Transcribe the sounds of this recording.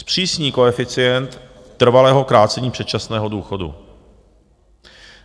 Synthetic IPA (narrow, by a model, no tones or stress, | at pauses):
spr̝̥iːsɲiːko̞ɛfɪt͡sɪjɛnt̪ː | r̩valɛːɦo̞kɾaːtt͡sɛɲiːpr̥ɛt̪̚t͡ʃasnɛːɦo̞duːxo̞dṵ